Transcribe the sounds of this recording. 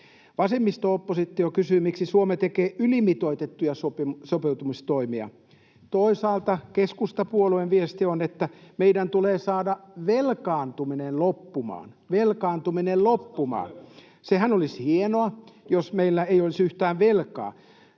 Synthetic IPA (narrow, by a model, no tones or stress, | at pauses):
ʋɑsemːist̪oopːosit̪ːiokysymiksisuomet̪ekeːʔylimit̪oit̪et̪ːujɑsopimsopeut̪umist̪oimiɑ̰ | t̪oisɑːlt̪ɑkeskust̪ɑpuolueʋʋiest̪ionet̪ːæmeidænt̪uleːsɑːdɑʋelkɑːnt̪uminellopːumɑ̰ːn | ʋelkɑːnt̪uminellopːumɑ̰ːn | sehænolishienoɑjosmeilːæeijolisyht̪æːʋʋelkɑ̰ː